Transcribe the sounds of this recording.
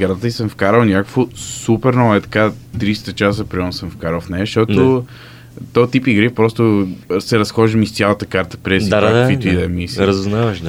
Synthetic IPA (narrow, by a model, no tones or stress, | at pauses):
ɡaɾt̪ət̪əisəɱfkaɾəwnʲakofʊsupɛɾnɔɛt̪ɐ̥kat̪ɾiʃt̪ɐt͡ʃas̬ɐpɾiɔmnsəmfkaɾəwfnɛʃt̪ɔt̪ʊ | t̪ɔt̪ipiɡɾipɾɔst̪ʊsɛɾɐsxɔʒd̪əmist̪sʲjalˠɐt̪əkaɾt̪ə̥pɾɛsd̪aafit̪id̪ɛmisɾɐzunavɐʃ